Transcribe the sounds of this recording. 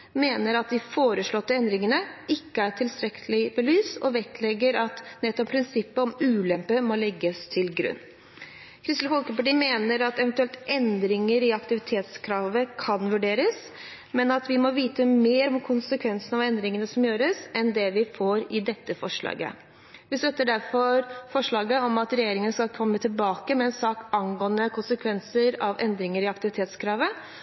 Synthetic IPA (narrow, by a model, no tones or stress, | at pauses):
meːnəɾɑt̪̚d̪ɪfoːɾəʂɭɔt̪ːəɛnd̪ɾɪŋənəɪkːəæʈʰɪlst̪ɾɛkʰəlɪbəlyːsɔ̰ʋɛt̪lɛɡːəɾɑt̪nɛt̪ːɔp̚pʰɾɪnsɪpːəɔmʉːlɛmpəmɔlɛɡːəst̪ʰɪlɡɾʉ̰nː | kʰɾɪslfɔlkəpɑʈiːmeːnəɾɑt̪ɛʋɛnt̪ʉɛlt̪ʔɛnd̪ɾɪŋəɾɪɑkt̪ɪʋɪt̪ʰeːt̪skʰɾɑːʋəkʰɑnʋʉɖeːɾəs | mɛnɑt̪ʋɪmɔʋiːt̪əmeːɾɔmkʰʊnsəkʰʋɛnsən̩ɑʋɛnd̪ɾɪŋənəsɔmjøːɾəsɛnd̪ɛʋɪfoːɾɪd̪ɛt̪ːəfɔʂɭɑ̰ːɡə̰ | ʋɪst̪œt̪ːəɖæɾfɔɾfɔʂɭɑːɡəɔmɑt̪ɾɛjeːɾɪŋənəskɑlkʰɔmːət̪ʰɪlbɑːkəmɛɛnsɑːkɑnɡoːənəkʰʊnsəkʰʋɛnsəɾɑʋʔɛnd̪ɾɪŋəɾɪɑkt̪ɪʋɪt̪ʰeːt̪skʰɾɑːʋə